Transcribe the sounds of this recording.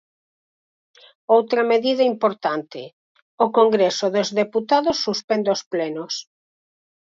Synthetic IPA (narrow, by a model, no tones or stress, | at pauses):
owt̪ɾɐmeðiðɐimpoɾt̪ant̪ɪ | ʊkoŋɡɾesoðozðeput̪aðosːuspɛnd̪osplɛnos